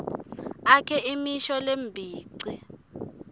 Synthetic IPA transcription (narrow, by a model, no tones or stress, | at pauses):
akʰɛʔimiʃɔlembʱiːǀi